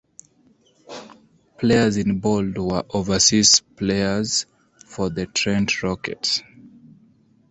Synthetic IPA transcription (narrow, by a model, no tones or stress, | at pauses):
pʰleɪəzĩnbɔldwəʔovəsispʰleɪəz | fɔðətʰɹɛ̃ndɹɔkɛ̰ts